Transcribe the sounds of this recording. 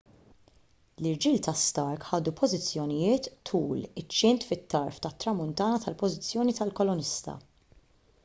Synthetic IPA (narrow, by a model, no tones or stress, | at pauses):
lɪɾd͡ʒiːlt̪ʰɐst̪ɐɾkħɐːd̪upʰɔzɪt͡sːjɔnɪjɪːt̪ːʰuːlɪt͡ʃːɪnt̪fɪt̪ːɐɾft̪ɐt̪ːɾɐmʊnt̪ɐːnɐt̪ɐlpɔzɪt͡sːjɔːnit̪ɐlkɔlɔnɪst̪ɐ̰